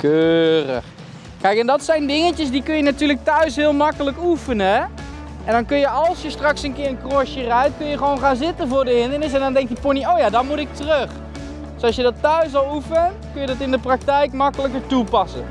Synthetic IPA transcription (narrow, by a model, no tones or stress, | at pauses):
køːrə̰χ | kɛjkɛndɑtsɛjndɪŋəcəsdikɵnjənatyːlək̚tœɥsɦɪəlˠmɑkələkufənəɛ | ʔɛndɔnkønjəɑlˠsjəstrɑksənkɪːrənkroʃjərɛjtkønjəχəʋoːnχaːnzɪtəvʊːɹdəɦɪndərnɪs̬ɛndɔndɛŋk̚tdiponioːwjaːdɔnmutɪk̚tərøχ | døsɑlsjədɔtːœɥsʋɔlˠufən | kønjədɔtɪndəprak̚tɛjkmɑkələkəɹtupɑsə̰n